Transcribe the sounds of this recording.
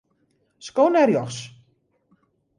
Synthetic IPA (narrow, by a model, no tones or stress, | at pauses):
skownɛrjɔxs